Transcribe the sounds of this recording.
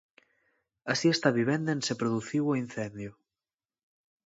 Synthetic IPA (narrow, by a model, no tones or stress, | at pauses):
asiest̪aβiβ̞end̪ensepɾoðuθiwoinθend̪jo